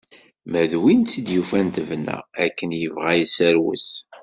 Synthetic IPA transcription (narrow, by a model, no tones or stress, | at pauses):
mæðwint͡sːid̪jufænt̪əvnæ̰ækːənjəvʁæjsæɾwə̰s